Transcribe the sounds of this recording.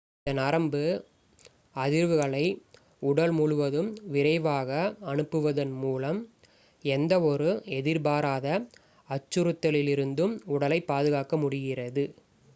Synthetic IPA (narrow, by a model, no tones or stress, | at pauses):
ɐnaɾɐmbɯ | ɐðɪɾʋɯɣɐɭɐɪ | ʊɽɐlmuɻɯʋɐðɯmʋɪɾɐɪʋaːɣɐɐnɯpːɯʋɐðɐnmuːlɐm | ɛnd̪ɐɔɾɯɛðɪɾbaːɾaːðɐ | ɐt͡ʃːɯɾɯt̪ːɐlɪlɪɾɯnd̪ɯmʊɽɐlɐɪpːaːðɯɣaːkɐmʊɽɪɣɪrɐðɯ